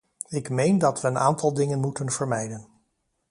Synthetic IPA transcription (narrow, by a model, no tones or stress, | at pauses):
ɪkmejndɑtʋəːna̰ːntɑlˠdɪŋənmutənvəɹmɛjdən